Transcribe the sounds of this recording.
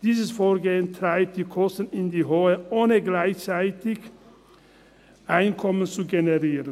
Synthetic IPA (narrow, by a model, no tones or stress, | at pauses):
d̥iːzəsfoːɐɡeːəntʁ̥aɪp̚t̚d̥iːkʰɔstən̩ɪndiːɦoːəʔoːnəɡlaɪçt͡saɪtɪç | ʔaɪnkʰɔmənt͡suɡenəʁiːʁən